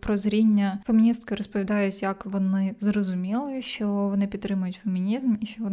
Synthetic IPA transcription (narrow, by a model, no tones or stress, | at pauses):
pɾɔzɾʲinʲːɐfemʲinʲist̪kɪɾɔspɔʋʲd̪ɑjʊtʲjɐkʋɔnɪzrɔzʊmʲilˠɪʃt͡ʃɔʋɔnɪpʲit̪ːɾɪmʊjʊtʲfemʲinʲizmiʃt͡ʃɔʋɔ